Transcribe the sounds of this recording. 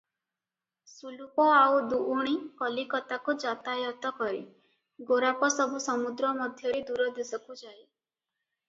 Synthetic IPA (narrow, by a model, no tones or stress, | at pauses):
sulupɔawd̪uʔːɽ̃ikɔlikɔt̪akud͡ʒat̪ajɔt̪ɔkɔɾi | ɡoɾapɔsɔbʱusɔmud̪ɾɔmɔd̪ʱjɔɾid̪uɾɔd̪isɔkud͡ʒaj